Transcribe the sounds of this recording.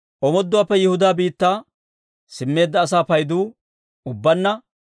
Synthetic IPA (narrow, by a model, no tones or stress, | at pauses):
ʔɔmɔd̪ːʊwaːpːɛjɪhʊd̪aːbiːt̪ːaː | sɪmːe̞ːd̪ːɐːs̬aːpɐjd̪uː | ʊbːɐnːɐ